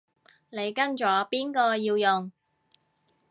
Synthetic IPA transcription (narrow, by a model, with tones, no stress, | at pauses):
ne˨˧jkɐ˥nt͡ʃɔː˨˥piː˥nkɔː˧jiː˧wjʊ˨ŋ